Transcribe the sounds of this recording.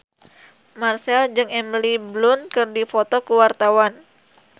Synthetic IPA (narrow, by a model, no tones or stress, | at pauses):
marsɛld͡ʒɨŋɛmliblʊnkɨrdifot̪ɔkəwart̪awan